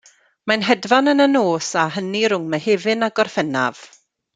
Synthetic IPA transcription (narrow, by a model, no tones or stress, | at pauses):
manɦɛdvanənənoːsaɦəniɾʊŋmɛheːvɨnaɡɔrfɛna̰v̥